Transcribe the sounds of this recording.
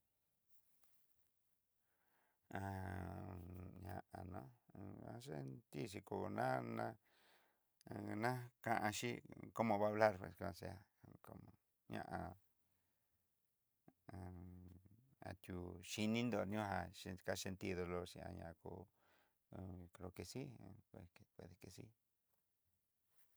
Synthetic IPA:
a˧ | ɲã˧ʔa˨nõ̰˦˧a˧s̬e˦nt̪i˦ʃ̬i˧ku˧nã˦nã˦˧ | nã˦kã˧ʔã˧ʃi˦ko˦mõ˧βa˦βla˦ɾpḛ˧˨skã˧se˧a˨ko˧mõ˧ | ɲã̰˧ʔa˧ | a̰˨t̪ʲu˧ʃi˧nĩ˦nd̪o˧nũ˦ɦa˧ʃe˧ka˦ʃe˧nt̪i˦ðo˧lo˧ʃḭ̃˧˨ã̰˧ɲã̰˨˧kṵ˧ | kɾo˧ke˧si˦˧e˧e˨pwe˧ðe˧ke˧sḭ˦

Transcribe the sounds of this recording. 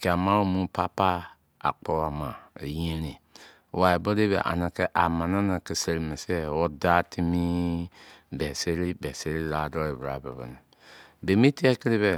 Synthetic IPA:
ke˨a˨mã˦wo˦mũ˦pa˦pa˦ | a̰˨k͡pɔ˦wa˨mã˨ḛ˨jẽ˦nĩ˨ | wa˨e˨bo˦de˦bḛ˨ʔa̰˨na˨kɛ˦ʔa˨mã˨na˦na˨ke˨se˨li˨me˨sɛ˦wɔ˦da˦tʰi˦mi˦ | bɛ˨se˦ɾi˦bɛ˨se˦ɾi˦la˨dɔ˦e˨bɾa̰˨bɛ̰˨bɔ̰˨ni˨ | be˨mi˦ti˦ɛ˦ki˦ɾi˦βe˨

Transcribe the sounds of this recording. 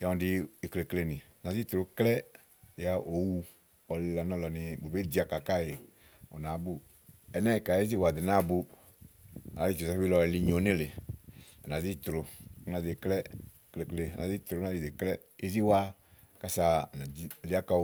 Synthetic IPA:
ja˨ɔ̃˨di˧˨kle˨kle˧nĩ˨na˨zi˦t̪ɾo˨˦klɛ˦ | i˨a˦ʔo˨wu˧ | ɔ˨lɪ˨la˨nɔ̃˦lɔ˨ni˧bo˨be˦di˧˦a˨ka˨ka˦˨je˨ | ɔ̰˨nã˨˦bu˦ | ɛ˨nɛ˦˨ka˨je˦zi˦˨wa˨di˨nã˦˨bu˧ | a˨la˨˦li˦t͡ʃɔ˨zɛ˦fi˦lɔ˧ɛ˧li˧ɲo˨˦nĩ˦lɪ˨a˨nã˨zi˦t̪ɾʊ˧˦nã˨˧ze˨klɛ˦˨ | kle˨kle˧˨nã˨zi˦t̪ɾo˨˦nã˨i˨de˨klɛ˦ | e˦zi˦wa˦ | ka˦sa˧˨na˨i˦˨li˨˦a˦ka˧˦

